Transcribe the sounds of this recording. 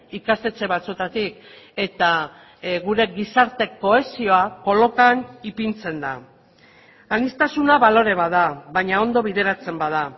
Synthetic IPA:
ikast̪e̞t͡se̞βat͡sue̞t̪at̪ik | e̞t̪a | ɣuɾe̞ɣisaɾt̪e̞ko̞e̞sio̞ako̞lo̞kanipint͡se̞nd̪a | anist̪asunaβalo̞ɾe̞βaðaβajɲao̞nd̪o̞β̞iðe̞ɾat͡se̞mbað̞a

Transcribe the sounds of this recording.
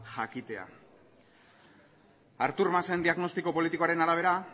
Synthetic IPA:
ʝakit̪e̞a̰ | aɾt̪uɾmasend̪iaɣno̞st̪iko̞po̞lit̪iko̞aɾe̞naɾaβ̞e̞ɾa

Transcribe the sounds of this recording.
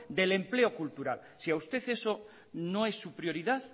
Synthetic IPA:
d̪e̞lẽ̞mple̞o̞kult̪uɾal | siaust̪e̞θe̞so̞ | no̞e̞sːupɾjo̞ɾiðaθ

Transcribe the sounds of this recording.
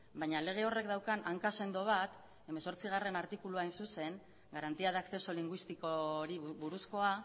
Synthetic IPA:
bajɲale̞ɣ̞e̞o̞re̞k̚d̪awkanʔaŋkase̞nd̪o̞β̞at̪ | e̞me̞so̞ɾt͡siɣ̞are̞naɾt̪ikuluajnsuse̞ŋ | ɡaɾant̪iaðaːkse̞soliŋɡwist̪ikoɾiβuɾusko̞a

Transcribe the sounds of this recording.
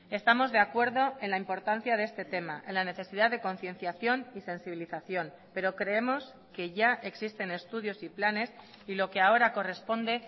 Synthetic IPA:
e̞st̪amo̞zðe̞akwe̞ɾðo̞e̞nlaimpo̞ɾt̪an̟θjaðe̞st̪e̞t̪e̞ma̰ʔe̞nlane̞θe̞siðaðe̞ko̞nθjẽ̞n̟θjaθjo̞nise̞nsiβiliθaθjo̞n | pe̞ɾo̞kɾe̞e̞mo̞s | ke̞ʝaʔe̞ksist̪e̞ne̞st̪uðjo̞siplane̞s | ilo̞keao̞ɾako̞re̞spo̞nd̪e̞

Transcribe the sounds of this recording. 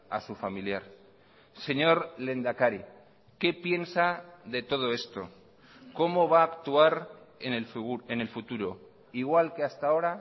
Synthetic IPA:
a̰sufamiljaɾ | se̞ɲo̞ɾle̞nd̪akaɾi | ke̞pje̞nsaðe̞t̪o̞ð̞o̞e̞st̪o̞̰ | ko̞mo̞β̞aːkt̪uaɾenene̞lfut̪uɾo̞ | iɣ̞walke̞ast̪ao̞ɾa

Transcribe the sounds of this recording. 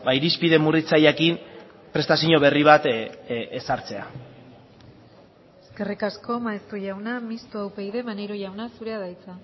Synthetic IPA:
baiɾispiðe̞murit͡sajakim | pɾe̞st̪asiɲo̞βe̞riβ̞at̪esaɾt͡se̞a | eske̞rikasko̞maest̪uʝawnamist̪uawpejðe̞maneɾoʝawnasuɾe̞aðajt͡sa

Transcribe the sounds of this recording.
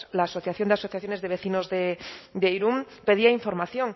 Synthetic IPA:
laːso̞θjaθjo̞nd̪easoθjaθjo̞ne̞zðeβe̞θino̞zðed̪ejɾum | pe̞ð̞iaiɱfo̞ɾmaθjo̞ŋ

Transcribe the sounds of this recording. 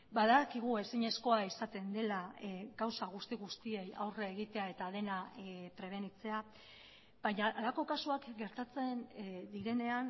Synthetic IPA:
baðakiɣ̞ue̞siɲe̞sko̞aisat̪e̞nd̪e̞laɣawsaɣ̞ust̪iɣ̞ust̪ie̞ja̰wreːɣ̞it̪e̞ae̞t̪að̞e̞napɾe̞β̞e̞nit͡se̞a | baɲaʔalako̞kasuakɡe̞ɾt̪at͡se̞nd̪iɾe̞ne̞an

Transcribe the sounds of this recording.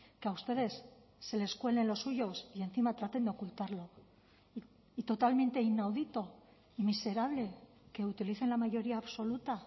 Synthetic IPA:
keaust̪e̞ðe̞sː | e̞le̞skwe̞le̞nlo̞sːuʝo̞sie̞nθimat̪ɾat̪e̞nd̪eo̞kult̪aɾlo̞ | it̪o̞t̪almẽ̞nt̪e̞inawðit̪o̞ | imise̞ɾaβ̞le̞ | ke̞ut̪iliθe̞nlamaʝo̞ɾiaːβso̞lut̪a

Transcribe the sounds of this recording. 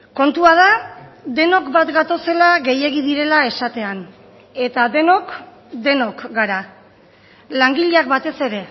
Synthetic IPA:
ko̞nt̪uað̞ad̪e̞no̞kbat̪ɡat̪o̞se̞laɣe̞je̞ɣiðiɾe̞lae̞sat̪e̞an | e̞t̪aðe̞no̞k | d̪e̞no̞kɡaɾa | laŋɡiʎeak̚bat̪e̞se̞ɾe̞

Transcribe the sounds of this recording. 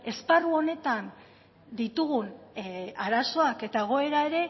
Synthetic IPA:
e̞sparuo̞ne̞t̪an | d̪it̪uɣun | aɾaso̞ake̞t̪aeɣ̞o̞e̞ɾae̞ɾe̞

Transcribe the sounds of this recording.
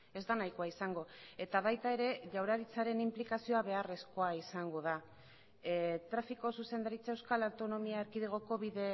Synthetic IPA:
e̞zd̪anajkoaisaŋɡo̞e̞t̪aβajt̪ae̞ɾe̞ʝawɾaɾit͡saɾe̞nimplikasio̞aβ̞e̞are̞sko̞aisaŋɡo̞ð̞a | t̪ɾafiko̞suse̞nd̪aɾit͡sae̞wskalawt̪o̞no̞miaeɾkið̞eɣ̞o̞ko̞βiðe̞

